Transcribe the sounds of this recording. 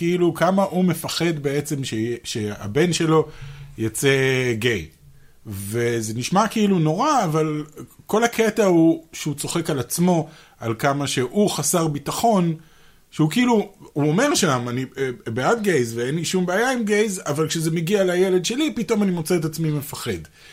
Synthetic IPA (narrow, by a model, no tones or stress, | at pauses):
keilukamaʔume̞faχe̞d̪be̞e̞t͡se̞mʃeʃea̰be̞nʃe̞lo̞jot͡se̞ɡe̞j | ve̞ze̞niʃmakeiluno̞ʁaːvalko̞lakʰe̞tahuʃut͡so̞χe̞kalat͡smo̞ | alkamaʃe̞ʔuχasaʁbitaχo̞n | ʃeukiiluhuo̞me̞ʁʃamanibeat̪̚ɡejzveenliʃumbeːjaimɡe̞jzavalkʃezemeɡialaje̞le̞dʃe̞lipito̞manimo̞t͡seetat͡smime̞faχe̞d